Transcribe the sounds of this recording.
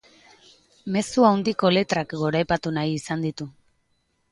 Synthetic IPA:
me̞suawnd̪iko̞le̞t̪ɾakɡo̞ɾajpat̪unajisand̪it̪u

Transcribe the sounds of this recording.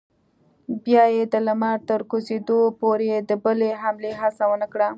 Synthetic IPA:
bjɑjed̪əlamaɾt̪əɾkosed̪opoɾed̪əbəleɦamleɦasawənəkɽa

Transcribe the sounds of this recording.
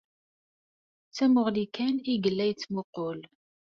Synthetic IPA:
t͡sːæmʊʁlikæniɡəlːæjt͡sːmoqol

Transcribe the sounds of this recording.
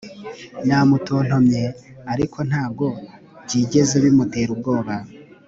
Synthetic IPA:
namuto̞ːn̥ho̞mɲe̞aɾikʰo̞n̥haːb̚ɡo̞ | bɟiːɟe̞zeβimute̞ːɾub̚ɡo̞ːβa

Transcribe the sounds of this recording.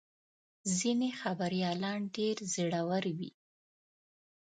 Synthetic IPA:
zinexabaɾjɑlɑnɖeɾzəɽawəɾwḭ

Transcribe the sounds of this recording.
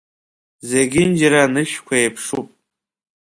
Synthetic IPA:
zeɡʲɪnd͡ʒaɾanɨʃkʷʰaejpʰʂupʼ

